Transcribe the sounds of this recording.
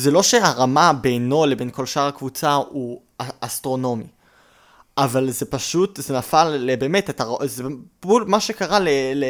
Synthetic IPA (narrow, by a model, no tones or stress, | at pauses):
zelo̞ʃeaʁamabejno̞lebenko̞lʃaʁakvut͡sau | aastʁo̞no̞mi | ʔavalzepaʃutzenafalːebe̞ːmetetaozeulmaʃekaʁalele